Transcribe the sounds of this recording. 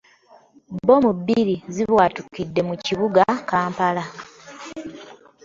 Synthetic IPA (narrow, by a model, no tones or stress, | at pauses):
bo̞mubiɾiziβwaːtukidːe̞muciβuɡakaːmpala